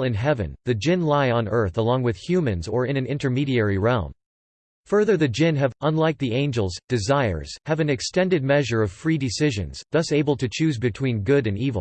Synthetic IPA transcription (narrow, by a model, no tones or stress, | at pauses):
lˠɨ̃nɦɛvɨ̰̃nðɨd͡ʒɪ̃nlaɪə̃nɜ˞θəlɔ̃ŋwɨð̥hjʉmɨ̃nzə˞ɨ̃nɨ̃nɪ̃ntə˞miɾiɛɹiɹɛlˠm | fɜ˞ðə˞ðɨd͡ʒɪ̃nɨvʔə̃nlaɪk̚ðiẽɪ̃nd͡ʒl̩ˠzd̥ɨzaɪə̰˞z̥hɨvɨ̃nɨkstɛ̃ndɨd̚mɛʒə˞ʌv̥fɹidɨsɪʒɨ̰̃nz̥ðʌseɪbl̩ˠtʰɨt͡ʃʰʉzbɨtʰw̥ĩnɡʊɾɨ̃nivl̩ˠ